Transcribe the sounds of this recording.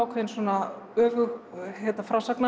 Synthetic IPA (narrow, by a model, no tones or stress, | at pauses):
wkʰvɛnsɔːna | œːvʏɣhɛt̪afɾaːsakna